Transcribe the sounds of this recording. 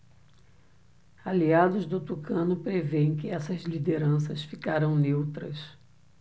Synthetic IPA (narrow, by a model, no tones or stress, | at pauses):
aliad̪ʊzd̪ʊt̪ukɐ̃nʊpɾevẽj̃kɪɛsɐzlid̪eɾɐ̃sɐsfikaɾɐ̃w̃newt̪ɾɐs